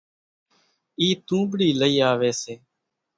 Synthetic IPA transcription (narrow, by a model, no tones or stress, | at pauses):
iːt̪ũːbɽiːləiːaːʋeːseː